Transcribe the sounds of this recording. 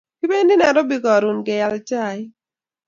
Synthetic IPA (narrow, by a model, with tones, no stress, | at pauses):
ki˦be˦ndi˦nɛ˨ɾɔ˦bi˦kɔ˨ɾu˨nɡɪ˨ja˨lt͡ʃa˦˨j